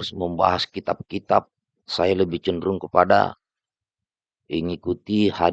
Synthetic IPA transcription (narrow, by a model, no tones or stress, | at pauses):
sməmba̰ɦaskit̪ap̚kit̪ap̚ | sajaləbɪht͡ʃəndɾuŋkəpada̰ | iŋikut̪iha